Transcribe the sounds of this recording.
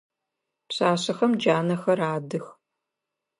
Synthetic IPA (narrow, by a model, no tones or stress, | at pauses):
pɕaːɕɐxɐmd͡ʒaːnɐxɐɾaːdɨx